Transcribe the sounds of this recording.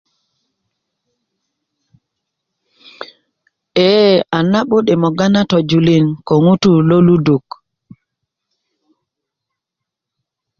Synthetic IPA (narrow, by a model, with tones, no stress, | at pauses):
e˦a˨na˦ɓo˦ɗe˨mɔ˨ɡa˦na˦tɔ˨d͡ʒu˨li˦˨nko˨ŋu˦tu˦˨lo˦lu˦du˨k